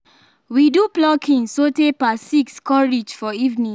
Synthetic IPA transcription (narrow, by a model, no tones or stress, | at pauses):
widuplɔkʰĩnsotepasikskɔɹid͡ʒfɔivnĩ